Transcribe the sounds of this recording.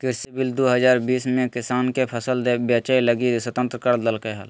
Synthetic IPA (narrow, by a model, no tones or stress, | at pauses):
kɪɾsibɪld̪oɦəzaːɾbiːsmẽkɪsaːnkepʰəsəld̪ebjəːt͡ʃəiləɡisət̪ə̃nt̪ɾəkəɾd̪əlkeɦəl